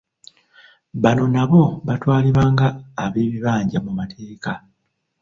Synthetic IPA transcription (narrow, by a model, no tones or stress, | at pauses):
βano̞naβo̞βatwaːliβaːŋɡaːβeːβiβaːɲɟamumatʰe̞ːka